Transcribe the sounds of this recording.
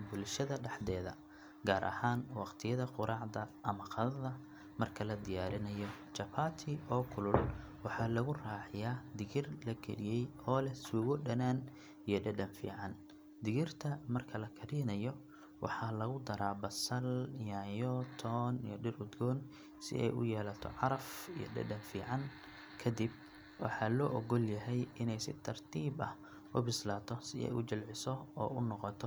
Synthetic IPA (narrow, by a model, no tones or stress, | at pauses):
bʊlʃɐðɐɖɑħd̪ɛːðɐ̰ | ɡaːɾʔɐ̰haːnwɑqt̪ʰɪjɐðɐqʊɾʔɑːʕd̪ɐɐmɐqɑðɐðɐ | mɐrkʰɐlɐd̪ɪjaːɾɪnɐjɔ | t͡ʃɐpʰaːt̪ʰiʔɔːkʰʊlʊlwɑħɑːlɐɣʊraːħɪjaːd̪ɪɣɪrlɐɡɛ̰lɪjɛjɔːlɛsuːɣɔɖɐnaːn | ijɔɖɐɖɐnfḭːʕɑn | d̪ɪɣɪrt̪ʰɐmɐrkʰɐlɐkʰɐɾiːnɐjɔ | wʔɑ̰ħɑːlɐɣʊd̪ɐɾaːbɐsɐljaːjɔt̪ʰɔːnḭjɔɖɪrʊd̪ɡɔːn | sɪ̰ʔɛ̰jʊ̰jɛːlɐt̪ʰɔ̰ʕɑɾɐfijɔ̰ɖɐ̰ɖɐnfḭːʕɑn | kʰɐd̪ib̚ | wɑ̰ħɑːlɔːʔɔɣɔljɐɦɛjɪnɛjsɪ̰t̪ʰɐrt̪ʰiːbɐh | ʔʊbɪslaːt̪ʰɔsɪ̰ɛ̰jʔʊt͡ʃɪlʕɪsɔɔːʊnɔqɔt̪ʰɔ